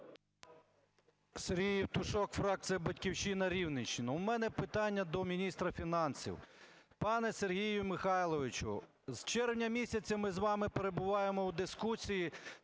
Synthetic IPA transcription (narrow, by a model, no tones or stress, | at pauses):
seɾɦʲijiwt̪ʊʃɔkfɾɑk̚t̪sɨjɐbɐtʲkʲiwʃinɐɾʲiwnɪʃt͡ʃɪnʊwmɛnɛpɪt̪ɑnʲːɐd̪ɔmʲinʲist̪ɾɐfʲinɑnsʲḭw | pɑnɛserɦʲijʊmɪxɑjlˠɔʋɪt͡ʃʊ̰ | z̥t͡ʃɛrwnʲɐmʲisʲɐt͡sʲɐmɪzʋɑmɪpeɾebʊʋɑjemɔwd̪ɪskusʲiji